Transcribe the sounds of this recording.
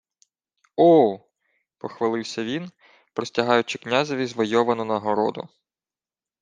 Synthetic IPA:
ɔ | pɔxʋɐlˠɪwsʲɐʋʲin | pɾɔsʲtʲɐɦɑjʊt͡ʃɪknʲazɔʋʲizʋɔjɔʋɐnɔnɐɦɔɾɔ̰d̪ʊ̰

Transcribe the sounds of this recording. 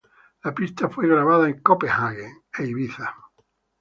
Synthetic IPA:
lapist̪afwe̞ɣɾaβaðaeŋkopehaɣeŋ | ejβiθa

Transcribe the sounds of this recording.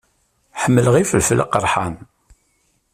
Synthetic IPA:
ħəmːələʁifəlfləqəɾˤħan

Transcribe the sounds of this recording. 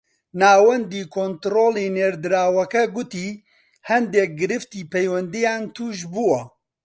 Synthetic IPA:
naːwɐnd̪iːkʰoːnt̪ɾoːleːneːɾd̪ɨɾaːwɐkɛɡut̪iː | hɐnd̪eːk̚ɡɨɾɨft̪iːpʰɛjwɛnd̪ijaːnt̪ʰuːʒbuwɐ

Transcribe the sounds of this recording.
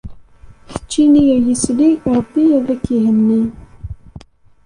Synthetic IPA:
θə̥t͡ʃːinijæjəsliɾˤəbːiæðækːihənːi

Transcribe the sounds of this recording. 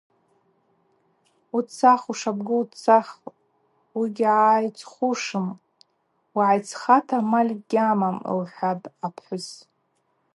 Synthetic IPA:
ut͡sʰaχuʂabɡɨut͡sʰaχ | wiɡʲʕajt͡sʰʼχuʂɨm | waʕajt͡sʰχatʰamalʲɡʲamamɨ̰lħʷadʼapʰħʷʊz

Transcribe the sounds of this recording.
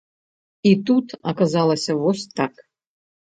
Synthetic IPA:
it̪ut̪ɐkazalˠɐsʲɐvɔsʲt̪ak

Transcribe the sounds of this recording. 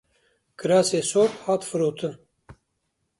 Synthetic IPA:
kʰɨɾɑːseːsoːɾhɑːt̪fɨɾoːt̪ʰɨn

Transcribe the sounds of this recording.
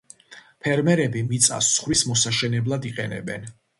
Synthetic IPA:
pʰɛɾmɛɾɛbimit̪sʼa̰sːχɾismɔsaʃɛnɛblˠad̪iqʼɛnɛ̰bɛn

